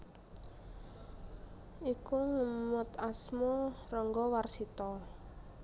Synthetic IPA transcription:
ikuŋumət̪asmɔrɔŋɡɔwarsit̪ɔ

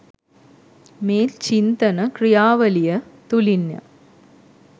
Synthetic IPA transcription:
meːlt͡ɕind̪ɐnɐkɾɪjaːʋɐlijɐt̪ulinːjɐ̰

